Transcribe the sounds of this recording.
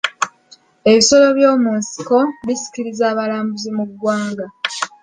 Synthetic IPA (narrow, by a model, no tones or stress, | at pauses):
e̞βiso̞lo̞βjo̞ːmuːnsi̥ko̞βisi̥kiɾizaːβalaːmbuzimuɡwaːŋɡa